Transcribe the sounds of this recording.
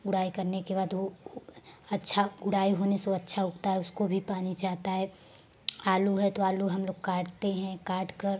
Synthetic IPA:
ɡʊɽaːikɐɾnekebaːd̪ʋo | ɐtːʃʰaɡʊɽaːiɦoːneseɐtːʃʰaɦʊkt̪aɦɛʊskobʱipaːnid͡ʒaːt̪aɦɛː | aːluɦɛt̪oaːluɦɐmloːɡ̚kaːʈt̪eɦɛ̃kaːʈkəɾ

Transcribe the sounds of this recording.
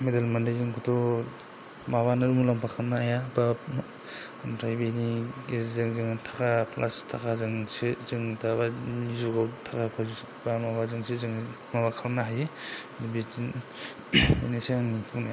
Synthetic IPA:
medalmandajzɯŋkʰutʰɔ | maβanɯɾumulampʰakʰamnaːjaba | dɾajbeniezɯŋzɯŋtʰakʰapʰlʔastʰakʰazɯŋsezɯŋdabaizuɡawtʰakʰapʰazus | bamabazɯŋsʰezɯŋ | mabakʰamnaɦajenibe | enaseaŋnipʰuwnaja

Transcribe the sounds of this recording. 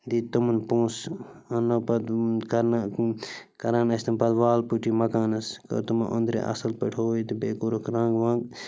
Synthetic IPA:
d̪it̪umunpõːsɐnopɐd̪kɐn | kɐɾaːnɐsʲt̪ɐmpɐd̪ʋaːlpuʈimɐkaːnɐskɐ̰t̪umɐ̰ʔond̪ɾḛʔɐ̰sɐlpɐ̰ʈʰoːit̪ibeːkuɾokɾãːŋɡʋãːŋɡ

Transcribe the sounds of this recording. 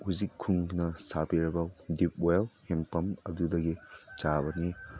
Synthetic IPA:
huzikʰːuŋnɐsapiɾɐbɐdip̚olhempɐmɐdudɐɡit͡ʃabɐni

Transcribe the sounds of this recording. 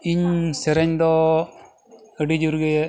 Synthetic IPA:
iɲsɛɾɛɲd̪ɔ | ɡəɖid͡ʒuɾɡɛjɛ

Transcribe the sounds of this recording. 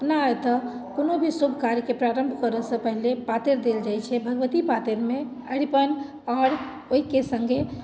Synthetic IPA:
pnat̪ɔ | konobʱisobʱkaɾjkepɾaɾəmbʱkəɾəsə̃pəɦilepat̪eɾd̪eld͡ʒajt͡ʃʰɛbʱəɡʋət̪ipat̪eɾme | əɽipən | ɔɾ | oɦikesəŋɡe

